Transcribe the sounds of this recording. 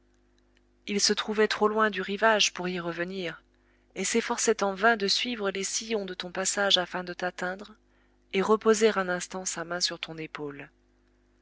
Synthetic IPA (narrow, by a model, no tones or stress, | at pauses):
ilsət̪χuvɛt̪χolwɛ̃d̪yʁivaʒpuʁiʁəvəniʁ | esefɔʁsɛt̪ɑ̃vɛ̃d̪əsɥivʁəlesijɔ̃d̪ət̪ɔ̃pasaʒafɛ̃d̪ət̪at̪ɛ̃d̪ʁ | eʁəpozeʁɛ̃nɛ̃st̪ɑ̃samɛ̃syʁt̪ʰɔ̃nepol